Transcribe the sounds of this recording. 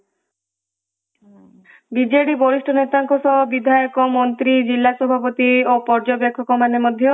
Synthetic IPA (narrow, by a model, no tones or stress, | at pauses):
bid͡ʒeɽibɔɾisʈʰɔnet̪aŋkɔsɔɦɔbid̪ʱajɔkɔmɔnt̪ɾid͡ʒilːasɔbʱapot̪iopɔɾd͡ʒɔbjɔkʰːɔkɔmanemɔd̪ʱjɔ